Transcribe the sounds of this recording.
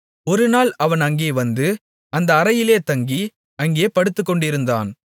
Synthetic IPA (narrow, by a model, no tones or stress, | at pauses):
ɔɾɯnaːlɐʋɐnɐŋɡeːʋɐnd̪ɯ | ɐnd̪ɐːɾɐjɪleːt̪ɐŋɡi | ɐŋɡeːpɐɽɯt̪ːɯkːɔɳɖɪɾɯnd̪a̰ːn